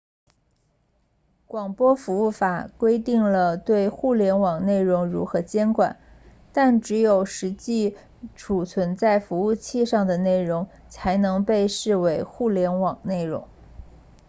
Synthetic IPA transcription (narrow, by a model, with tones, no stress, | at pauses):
kwɑ˨˩ŋpwɔ˥fu˧˥u˥˩fa˨˩kwe˥ɪt̪i˥˩ŋlə˩t̪we˥˧ɪxu˥˩ljɛ˧˥nwɑ˨˩ŋne˥˩ɪɻʊ˧˥ŋɻṵ˧˥xɤ˧˥t͡ɕjɛ˥nkwa̰˨˩˦n | t̪a˥˩nʈ͡ʂɻ̩˧˥jo˨˩ʊʂɻ̩˧˥t͡ɕi˥˩ | ʈ͡ʂʰu˨˩t͡sʰwə˧˥nt͡sa˥˩ɪfu˧˥u˥˧t͡ɕʰi˥˧ʂɑ˥˩ŋd̪ə˩ne˥˩ɪɻʊ˧˥ŋ | t͡sʰa˧˥ɪnɤ˧˥ŋpe˥˧ɪʂɻ̩˥˩we˧˥ɪxu˥˩ljɛ˧˥nwɑ˨˩ŋne˥˩ɪɻʊ̰˧˥ŋ